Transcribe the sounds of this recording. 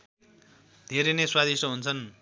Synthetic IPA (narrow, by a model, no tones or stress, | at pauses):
d̪ʱeɾeneswad̪ʱisʌɦunt͡sʰʌn